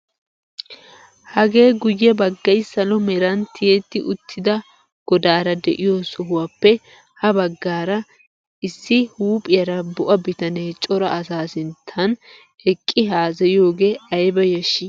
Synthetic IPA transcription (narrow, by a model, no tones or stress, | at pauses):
hɐɡe̞ːɡʊjːɛbɐɡːɐjsɐlɔmɛɾɐnt̪ʰːɪjet̪ːɪʔʊt̪ʰːɪd̪ɐ | ɡ̥ɔd̪aːɾɐd̪ɛ̰ʔɪjosɔɦʊwɐpːɛ | hɐbɐɡːaːɾɐ | ɪsːɪhuːpʼɪjɐɾɐbʊʔɐbɪt̪ɐne̞ːt͡ʃʼɔɾɐʔɐsaːsɪnt̪ʰːɐn | ɛkʼːɪɦaːzɛjo̞ːɡe̞ːɐjbɐjɛʃːɪ